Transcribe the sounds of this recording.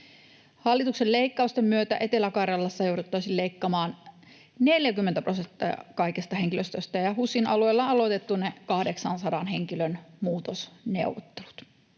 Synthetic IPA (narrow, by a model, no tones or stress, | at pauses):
hɑlːit̪ukselle̞ikːɑust̪emːyøt̪æ̰ʔe̞t̪elækɑrɑlːɑsːɑjoudut̪ːɑisilleikːɑmɑːn | neljækymːent̪æprosent̪ːˑɑ̰ɑ̰kɑikest̪ɑheŋkiløst̪øst̪ɑjɑhusːinʔɑlueilːɑɑlot̪et̪ːunekɑhdeksɑnsɑdɑnhe̞ŋkilønmuːt̪osnḛuʋot̪ːelu̥t̪